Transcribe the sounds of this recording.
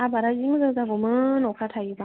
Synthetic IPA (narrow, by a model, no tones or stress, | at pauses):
ʔabaːɾad͡ʒiŋzazabomʊnnokatʰajiba